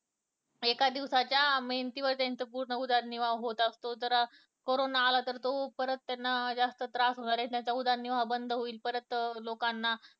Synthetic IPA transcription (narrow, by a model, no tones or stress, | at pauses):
ekad̪iʋsat͡ɕjameɦnt̪iʋəɾt̪jãnt͡səpuɾɳəud̪aɾniʋaɦot̪ast̪ot̪əɾa | koɾonaːlat̪əɾt̪opəɾət̪ːjanːad͡zast̪ət̪ɾasɦoɽaɾat̪jãt͡saud̪aɾniʋabənd̪ʱɦoiːlpəɾət̪lokanːa